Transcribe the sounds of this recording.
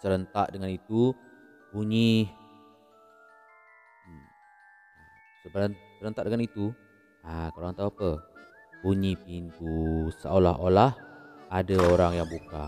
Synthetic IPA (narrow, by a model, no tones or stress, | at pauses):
səɾənt̪aʔdəŋanit̪u | puɲi | səbəsəɾənt̪aʔdəŋanit̪u | akaoaŋt̪auapə | puɲipint̪usəʔola̰ɦolahadaoɾaŋjaŋbuka̰